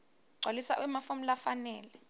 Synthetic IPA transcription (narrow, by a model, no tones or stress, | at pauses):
ǀʱolisa̰ʔwimafum̩lafanɛːlɛ